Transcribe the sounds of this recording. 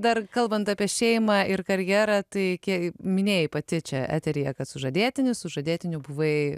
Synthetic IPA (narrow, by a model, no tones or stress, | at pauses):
d̪ɐrkɐlˠbɐnt̪ɑːpʲiɛʃʲɛɪmɑːʔɪrkɐɾʲjæːɾɑːt̪ɐɪkʲiɛmʲɪnʲeːjɪpɐt̪ʲɪt͡ʃʲɛæ̰ːt̪ʲɛɾʲɪjɛkɐt̪sʊʒɐd̪ʲiːt̪ʲɪnʲʊsʊʒɐd̪ʲeːt̪ʲɪnʲʊbʊʋɐɪ